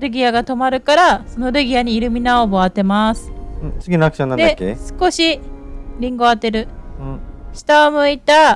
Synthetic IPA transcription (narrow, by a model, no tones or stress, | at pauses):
ɾɯ̟ɡʲiaɡat̪o̞maɾɯ̟kaɾaso̞no̞ɾɯ̟ɡʲiaɲ̟iːɾɯ̟mʲinaobo̞at̪e̞masɨ̥ɯ̃t͡sɨɡʲinaakɯ̥ɕõnand̪ekːḛsɨ̥ko̞ɕiɾʲĩŋɡo̞at̪ːe̞ɾɯ̟ɯ̃ɕi̥t̪aomɯ̟it̪a